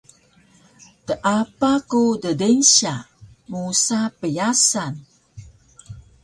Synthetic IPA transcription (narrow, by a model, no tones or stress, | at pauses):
t̪əʔapakudədenɕa | musapəjasan